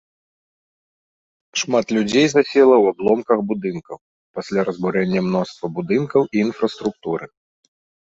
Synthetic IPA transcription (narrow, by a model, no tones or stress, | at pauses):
ʂmat̪lʲud͡zʲejzasʲɛlˠɐwablˠɔmkɐxbud̪ɨnkɐw | pasʲlʲaɾɐzbuɾɛnʲːɐmnɔst̪vɐbud̪ɨnkɐwiːnfɾɐst̪ɾuk̚t̪uɾɨ